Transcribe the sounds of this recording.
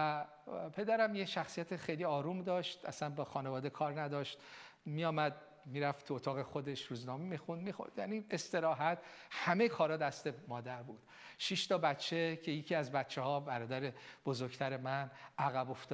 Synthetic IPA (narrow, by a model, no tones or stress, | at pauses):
æ | pʰe̞d̪æɾæmjeʃæxsijæt̪ʰexejliːɒːɾumd̪ɒːʃt̪æ̰sænbɒːxɒːnevɒːd̪ekʰɒːɾnæd̪ɒʃt̪ | mijɒːmæd̪̚ | miːɾæft̪t̪ʰuot̪ʰɒːɣexo̞d̪e̞ʃɾuːznɒːmemixund̪mixo̰ɾd̪̥jæniːe̞st̪e̞ɾɒːɦæt̪hæmejkʰɒːɾɒd̪æst̪e̞mɒːd̪æɾbuːd̪̥ | ʃiʃt̪ʰɒbæt͡ʃʰːecʰe̞jecʰiæzbæt̪t͡ʃʰːehɒːbæɾɒːd̪æɾe̞b̥ozoɾɡt̪ʰæɾe̞mænæɣæbo̞ft̪ː